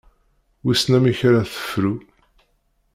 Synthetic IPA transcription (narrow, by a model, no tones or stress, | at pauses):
wisnæmiçɾaθə̥fɾu